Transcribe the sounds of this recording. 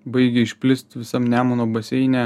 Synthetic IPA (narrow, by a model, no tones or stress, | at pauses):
bɐɪɡʲɛɪʃʲpʲlʲɪst̪ʲʋʲɪsɐmnʲæːmonoːbɐsʲɛɪnʲæː